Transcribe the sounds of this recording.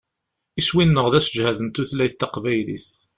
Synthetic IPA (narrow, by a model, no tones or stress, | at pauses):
iswinːəʁðæsəd͡ʒhæðənt̪uθlæjθt̪ːæqvæjlḭθ